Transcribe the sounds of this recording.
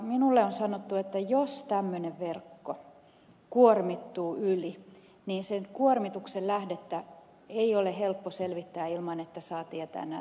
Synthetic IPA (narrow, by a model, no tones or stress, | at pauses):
minulːeonsɑnot̪ːuet̪ːæjost̪æmːøneʋʋerkːo | kuormit̪ːuːyli | niːnsenkuormit̪uksellæhdet̪ːæ | eiolehelpːoselʋit̪ːæːilmɑnet̪ːæsɑːt̪iet̪æ̰ːnæ